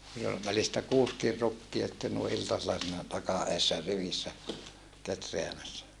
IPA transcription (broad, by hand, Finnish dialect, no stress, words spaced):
niːl ol ʋælistæ kuːskir rukːiɑ sĭtːen nui ʔiltɑselːɑ siːnæ tɑkɑ ʔeːsːæ riʋisːæ ketreæmæsːæ